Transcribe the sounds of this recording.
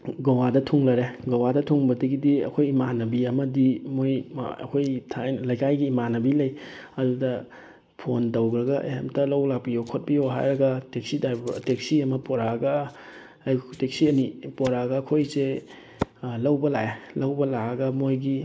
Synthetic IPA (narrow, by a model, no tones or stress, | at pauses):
ɡɐwadɐtʰuŋlɐɾeɡɐwadɐtʰuŋbɐdɐɡidiɐ̰kʰojimanɐbiɐmɐdimoj̰ɐ̰kʰojtʰalɐjkajɡiːmanɐbilɐjɐdudɐ | pʰontɐwɡɾɐɡɐ̰ha̰mtɐlɐwlak̚piokʰot̚bijoɦa̰jɾɐɡɐtek̚sidaɾbbtek̚siɐmɐpoɾaɡɐː | jtek̚siɐnipoɾaɡɐɐkʰojse | lɐwbɐlaelɐwbɐlaɐɡɐmojɡi